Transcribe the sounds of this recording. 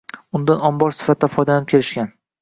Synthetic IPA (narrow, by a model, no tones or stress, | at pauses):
ʊnd̪anɒmbɒɾsɪ̥fat̪̚ʰd̪afɒjd̪anɪp̚kʲʰe̞ɾɪʃkʲan